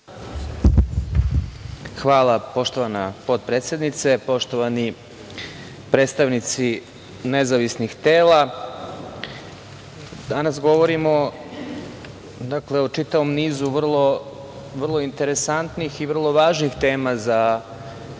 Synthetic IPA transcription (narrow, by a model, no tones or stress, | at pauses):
xʋaːlˠapo̞ʃt̪o̞ʋanapo̞d̪̚pɾeːt̪se̞d̪nit̪se̞po̞ʃt̪o̞ʋani | pɾet̪st̪aʋnit̪si | nezaʋisnixt̪eːla | d̪anasɡo̞ʋoɾimo̞ | d̪akleot͡ʂit̪aʋo̞mniːzuʋr̩lˠo̞ | ʋr̩lˠo̞int̪eɾe̞sant̪nixiʋr̩lˠoʋaːʒnixt̪eːmaza